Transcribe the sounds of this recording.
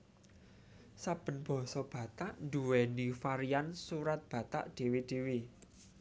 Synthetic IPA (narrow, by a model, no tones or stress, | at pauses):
sab̥ə̤nb̥ɔ̤sɔb̥ä̤t̪aʔnd̪uwɛnifaɾiansuɾat̪̚b̥ä̤t̪a̰ʔɖ̪̥e̤wiɖ̥e̤wi